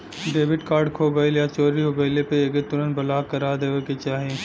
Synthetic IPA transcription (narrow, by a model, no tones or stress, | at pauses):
ɖeːʋɪɖkaːɾɖkʰoːɡəiljat͡ʃoːɾiɦoɡəjlepeeːket̪ʊɾə̃nt̪̚bɐlaːkɐɾaːd̪eːʋeket͡ʃaːɦie